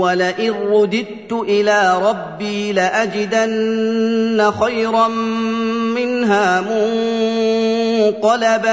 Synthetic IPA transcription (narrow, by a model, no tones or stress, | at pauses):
walaʔɪnɾʊd̪ɪd̪̚t̪ʊʔɪlaːɾˤɑbːiːlɪʔad͡ʒɪd̪anː | axajɾˤɑm | mɪnɦaːmʊŋ | q̪ɑlaba